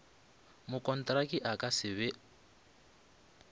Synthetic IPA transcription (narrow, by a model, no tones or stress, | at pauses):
mʊkʼɔntʼɾakʼiʔakʼasɪβɛ